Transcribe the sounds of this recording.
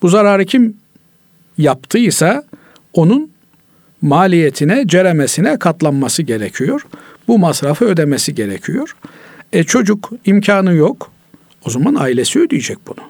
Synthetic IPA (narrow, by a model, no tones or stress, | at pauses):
b̥uzaɾaːɾɯcʰim | japt̪ʰɯisa | o̞nun | maːlʲijet̪ʰinɛd͡ʒeɾemesinɛkʰat̪lˠanmasɯɟe̞ɾecʰijo̞ɾ̥bumasɾafɯød̪emesiɟe̞ɾḛcʰijo̞ɾ̥ɛt͡ʃʰo̞d͡ʒukimcʰaːnɯjok | ozamanaːilʲe̞siød̪ijed͡ʒɛc̚bunu